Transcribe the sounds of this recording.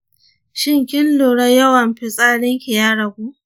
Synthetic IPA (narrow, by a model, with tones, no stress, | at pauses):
ʃɪ˦ŋkʲɪ˦nloː˨ɽɐ˦jɐ˦wɐ˨mɸɪ˦sʼaː˦ɽɪ˦ŋkʲi˨jaː˦ɽɐ˨ɡʷuː˦